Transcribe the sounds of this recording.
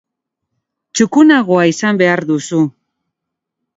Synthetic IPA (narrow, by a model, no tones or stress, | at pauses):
t͡ʃukunaɣ̞oaisambe̞aɾðusu